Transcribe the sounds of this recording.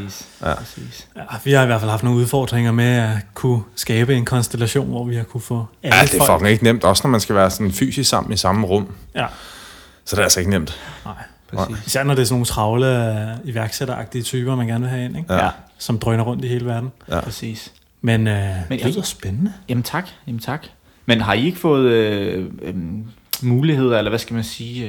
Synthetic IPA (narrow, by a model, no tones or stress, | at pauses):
isḭːsjæʋihɑ̈iʋæɐ̰fælhɑfd̥no̝ːŋnuðˠfɒ̰ːd̥ʁeŋɐmeækʰusɡ̥ɛːb̥əe̝nkʰɒ̽nsd̥elæɕo̝̰ːnʋɒ̰ːʋihɑ̈kʰufɔ̰̽æləd̥efɒ̽ɡ̥ŋ̩e̝ɡ̥ənem̰d̥ɒ̽sənɒmænsɡ̥æʋæːɐsɒ̥̽n̩fy̰ːsissɑ̈m̰n̩isɑ̈məʁɔm̰jæ | sɒ̽d̥eælse̝ɡ̥ənem̰d̥nɑ̈ɪ̰ | pʰɛsḭːisæɐnɒd̥e̝sɔno̝ːn̩t͡sʰʁɑ̈ʊləiʋæɐɡ̥seɾɐɑ̈ɡ̥̚d̥iət͡sʰyːb̥ɐmænɡ̥æɐnʋe̝ɦæe̝neɡ̥sɒ̽md̥ʁœnɐʁɔ̽n̰d̥iɦe̝ːləʋæɐd̥n̩pʰʁɛsḭːs | menømenjsb̥enənəjæmn̩t͡sʰɑ̈ɡ̥jæmnt͡sʰɑ̈ɡ̥ | menɦɑ̈ie̝ɡ̥əfɔ̽ːð̞̩ˠøøm | muːlihe̝ð̞̰ˠɐelɐʋæsɡ̥æmænsiː